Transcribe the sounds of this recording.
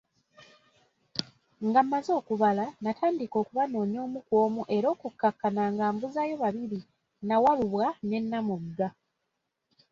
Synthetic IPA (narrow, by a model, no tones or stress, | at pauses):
ŋɡamːazo̞ːkuβalanatʰaːndiko̞ːkuβano̞ːɲo̞ːmukwo̞ːmuʔe̞ɾo̞ːkukːakːanaŋɡaːmbuzajo̞βaβiɾi | nawaβuβwane̞nːamuɡa